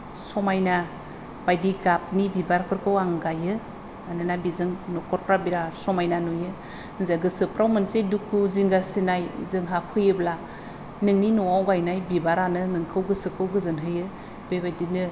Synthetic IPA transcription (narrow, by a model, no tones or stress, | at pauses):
sɔmajna | b̥ajdiɡap̚nibibaɾpʰɯɾkʰɯwaŋɡajɯ | anɯnabizɯŋnɔkʰɔɾpʰɾabiɾasɔmajnanujɯ | zeɡɯsɯpʰɾawmɯnsedukʰuziŋɡasinajzɯŋɦapʰɯjɯbla | nɯŋninɔwawɡajnajbibaɾanɯnɯŋkʰɯwɡɯsɯkʰɯwɡɯzɯnɦɯjɯ | bebajdinɯ